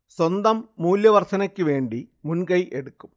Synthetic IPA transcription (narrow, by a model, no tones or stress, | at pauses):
swɐnd̪ɐmːuːljɐʋɐrt̪ʰɐnɐkʲːɨʋe̞ːɳɖimunkɐjʔe̞ɽukːum